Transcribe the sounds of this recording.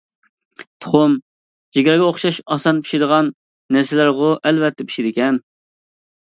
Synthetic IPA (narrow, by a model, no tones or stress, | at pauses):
t̪ʰo̥χʊm | d͡ʒeɡʲɾɑɡʲɛoχʃɑʃɑsɑnpi̥ʃɪd̪əʁɑnː | ɛɾsɪlæɾʁʊʔɛlvɛt̪ːɛpʰi̥ʃid̪ɪkʲɛn